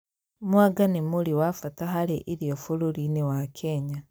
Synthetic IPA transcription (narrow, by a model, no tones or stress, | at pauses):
mwaɡanemuɾiwafataɦaɾeʔiɾiofoɾoɾinewakʰeɲa